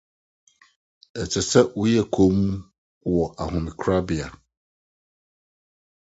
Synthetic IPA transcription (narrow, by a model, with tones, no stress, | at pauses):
ɛ˨t͡ɕʰɛ˨sɛ˦wʊ˦jɛ˦kʰo˦mu˦ | wɔ˨ʔa˨ɦʊ̃˨mɪ̃˨kʰɾa˦bɪ˨a˨